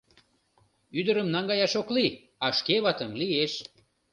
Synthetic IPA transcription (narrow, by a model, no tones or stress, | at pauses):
yd̪əɾəmnɑŋɡɑjɑʃokli | ɑʃkeβɑt̪əmlieʃ